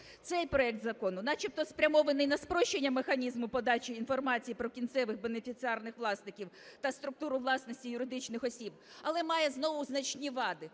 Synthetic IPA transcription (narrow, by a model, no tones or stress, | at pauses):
t̪sɛjpɾɔɛk̚t̪zɐkɔnʊnɑt͡ʃip̚t̪ɔspɾʲɐmɔʋenɪjnɐspɾɔʃt͡ʃːenʲːɐmexɐnʲizmʊpɔd̪ɑt͡ʃʲiːnfɔrmɑt͡sʲijipɾɔkʲint̪sɛʋɪxbenefʲit͡s̪ʲɨɑrnɪxʋlˠɑsnɪkʲiwt̪ɐst̪ɾʊk̚t̪uɾʊʋlˠɑsnɔsʲtʲijʊɾɪd̪ɪt͡ʃnɪxɔsʲib | ɐlˠɛmɑjɛznɔʋʊznɐt͡ʃnʲiʋɑd̪ɪ